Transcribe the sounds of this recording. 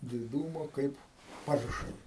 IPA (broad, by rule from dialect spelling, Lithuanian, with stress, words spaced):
dʲɪˈduːmoː ˈkɐɪp ˈpɐrʃɐɪ